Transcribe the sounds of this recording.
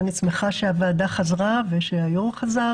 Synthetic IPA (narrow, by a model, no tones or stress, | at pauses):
nit͡smeχaʃeavaːd̪aχazʁaveʃeajomχaza